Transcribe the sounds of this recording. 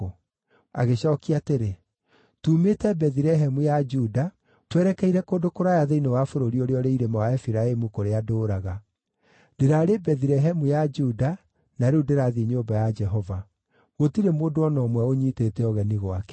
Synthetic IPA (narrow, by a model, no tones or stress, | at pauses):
a̰ɣeɕɔkiateɾe | tuːmetɛbɛðiɾɛɦɛmujad͡ʒuda | twɛɾɛkɛiɾɛkoːdokoɾajaðeinewafoɾoɾioɾeɔɾeiɾemawaɛfiɾaemukoɾeadoːɾaɣa | deɾaɾebɛðiɾɛɦɛmujad͡ʒuda | naɾudeɾaðiɲoːmbajad͡ʒɛɦɔva | ɣotiɾemoːdoɔnɔːmwɛoɲiːtetɛɔɣɛniɣwakɛ̥